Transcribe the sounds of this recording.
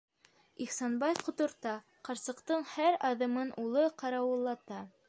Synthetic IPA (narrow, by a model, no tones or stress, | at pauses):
iχsɑnbɑjqŏt̪ŏɾt̪ɑ | qɑɾsɤ̆qt̪ɤɴhæɾɑðɤ̆mɤnʔulˠɤqɑɾɑwɤ̆lˠːɑt̪ɑ